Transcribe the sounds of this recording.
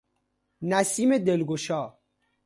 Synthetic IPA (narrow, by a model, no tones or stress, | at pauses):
næsiːme̞d̪elɡoʃɒː